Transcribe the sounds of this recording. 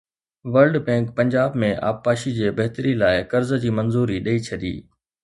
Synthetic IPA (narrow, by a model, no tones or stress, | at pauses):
ʋɐɾlɖbɛ̃ːŋkpɐ̃ɲd͡ʑaːbmẽʔa̰ːpːaːʃid͡ʑeːbɐɦt̪əɾilaːɪkɐɾzəd͡ʑiːmɐ̃nzuːɾiɗɐit͡ɕʰɐɗḭː